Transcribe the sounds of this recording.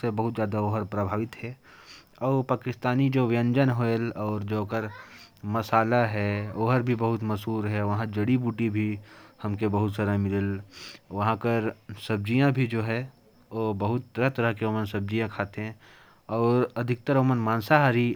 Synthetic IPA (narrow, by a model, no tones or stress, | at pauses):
sebɐɦʊt̪zjaːd̪aoːɦəɾpɾəbʱaːʋɪt̪ɦɛ | ɔːɾpaːkɪst̪aːnid͡ʒoːʋjə̃ɲd͡ʒənɦoelɔːɾd͡ʒoːkəɾ | mɐsaːlaɦɛoːɦəɾbʱibɐɦʊt̪mɐsuːɾɦɛʋɐɦãd͡ʒɐɽibuːʈibʱihɐmkebɐɦʊt̪saːɾamɪləlʋɐɦãkəɾsɐb̚d͡ʒijãbʱid͡ʒoːɦɛ | oːbɐɦʊt̪ːɐɾət̪ɐɾəɦkeoːmənsɐb̚d͡ʒijãkʰaːt̪eɦɛ̃ | ɔːɾɐd̪ʱɪk̚t̪əɾoːmənmaːnsaɦaɾi